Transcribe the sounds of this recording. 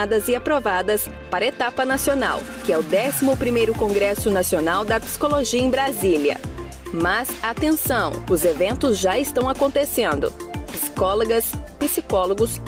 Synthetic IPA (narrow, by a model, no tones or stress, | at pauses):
d̪ɐzɪapɾovad̪ɐs | paɾɐet̪apɐnasiona̰w | kɪɛʊd̪ɛsimʊpɾimejɾʊkõɡɾɛsʊnasionawd̪ɐpi̥si̥koloʒiɐẽj̃bɾaziliɐ̰ | mɐzaːt̪ẽsɐ̃w̃ʊzevẽnt̪ʊzʒaɪst̪ɐ̃w̃akõnt̪esẽnd̪ʊ̰pisi̥kɔloɡɐspisikɔloɡʊs